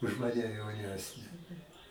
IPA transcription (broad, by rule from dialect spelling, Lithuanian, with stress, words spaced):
ʊʃ ˈmɑːnʲɛ jɛʊˈnʲæːsʲnʲɛ